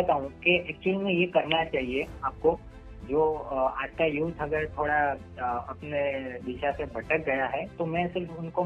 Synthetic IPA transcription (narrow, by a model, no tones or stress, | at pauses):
ɐt̪aːɦũkeʔɛːk̚t͡ʃuəlmẽjekɐɾnat͡ʃaːɦieaːp̚ko | d͡ʒoːaːd͡ʒkajuːt̪ʰɐɡəɾt̪ʰoːɽa | ɐpneʋɪʃasebʱɐʈək̚ɡɐjaɦɛt̪omɛ̃sɪɾfʊnko